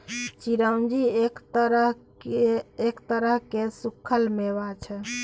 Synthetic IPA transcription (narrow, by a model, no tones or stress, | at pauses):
t͡ʃiɾəwnd͡ʒiekt̪əɾəɦkeekt̪əɾəɦkesukʰːəlmeʋat͡ʃʰɛ